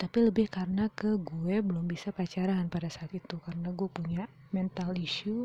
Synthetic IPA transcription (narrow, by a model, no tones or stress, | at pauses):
t̪apiləbɪhkarənakəɡuɛbəlʊmbisapəat͡ʃaɾaːnpadasaːt̪it̪ukarənaɡuɛpuɲa | mɛnt̪aliʃu